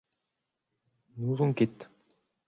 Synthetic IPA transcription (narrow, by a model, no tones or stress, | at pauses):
nuːzuŋket̪